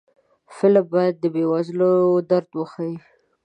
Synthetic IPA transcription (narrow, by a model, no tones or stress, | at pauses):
fɪlabɑjad̪̚ːəbewazlod̪aɾd̪wəxaji